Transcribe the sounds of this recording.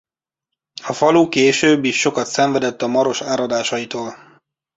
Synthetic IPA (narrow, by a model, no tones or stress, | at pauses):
ɒfɒluːkeːʃøːbːiʃːo̞kɒt̪sɛɱvɛd̪ɛt̪ːɒmɒɾo̞ʃaːɾɒd̪aːʃɒjit̪oːl